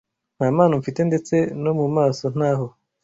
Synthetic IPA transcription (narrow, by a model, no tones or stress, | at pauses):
n̥haːmaːnaɱfite̞nde̞t͡se̞no̞mumaːso̞n̥haːɦo